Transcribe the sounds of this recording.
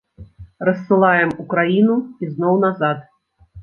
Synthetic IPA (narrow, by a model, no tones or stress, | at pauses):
rɐsʲsɨlˠajɛmukɾajinuiznɔwnazat̪